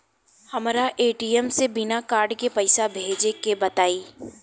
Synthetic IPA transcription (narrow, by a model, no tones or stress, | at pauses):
hɐmɾaʔeːʈiɛmsebɪnakaːɾɖkepɐɪsabʱeːd͡ʒekebɐt̪aːiː